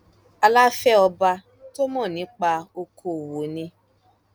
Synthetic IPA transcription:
a˧la˦fɛ˦ɔ˧ba˧ | to˦mɔ̃˦˨nĩ˨˦k͡pa˧o˧kʰo˧˨wo˨nĩ˧

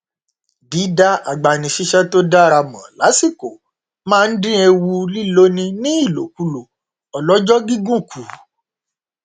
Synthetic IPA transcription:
di˨˦da˦a˨ɡ͡ba˨nĩ˨ʃi˦ʃɛ˦to˦da˦ɾa˧mã˨la˨˦si˦˨ko˨ | mãː˦˧n̩˦dĩ˦e˧wu˧li˦lo˦nĩ˧nĩ˦i˦˨lo̰˨˦ku˨˦lo˨ | ɔ˨lɔ˨˦d͡ʒɔ˦ɡi˦ɡũ˦˨ku˨˦

